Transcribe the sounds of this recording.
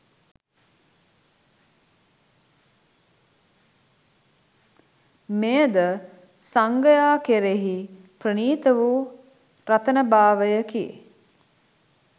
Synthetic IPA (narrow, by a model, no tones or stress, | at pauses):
mejəd̪ə | saŋɡəjaːkeɾeɦi | prəniːt̪əʋu | ɾat̪ənəbaːʋəjəkiḛ